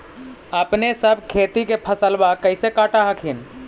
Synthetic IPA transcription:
əpnesəbʱkʰeːt̪ikepʰəsəlbakəɪsekaːʈaɦəkʰin

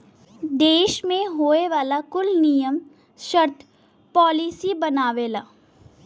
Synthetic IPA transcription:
d̪eːʃmẽɦoːeʋaːlakʊlnijəm | ʃəɾt̪ʰ | pɔːlisibɐnaːʋeːlaː

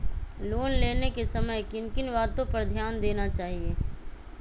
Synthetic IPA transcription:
loːnleːnekesɐməjkɪnkɪnʋaːd̪õpɐɾd̪ʱjaːnd̪eːnat͡ʃaːɦieː

